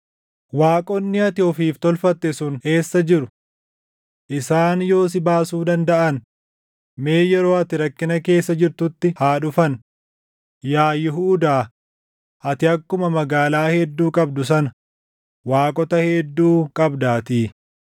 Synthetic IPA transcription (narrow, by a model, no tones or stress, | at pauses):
waːkʼɔnːɪɐt̪ɪɔfiːft̪ɔlfɐt̪ːɛsʊnhe̞ːsːɐd͡ʒɪɾʊ | ʔɪsaːnjo̞ːs̬ɪbaːsuːd̪ɐnd̪ɐʔɐn | meːjɛɾo̞ːɐt̪ɪɾɐkːɪnɐke̞ːsːɐd͡ʒɪɾt̪ʊt̪ːɪhaːᶑʊfɐn | jaːjɪɦuːd̪aː | ʔɐt̪ɪɐkːʊmɐmɐɡaːlaːhɛd̪ːuːkʼɐbd̪ʊs̬ɐnɐ | waːkʼɔt̪ɐhed̪ːuːkʼɐbd̪aːt̪iː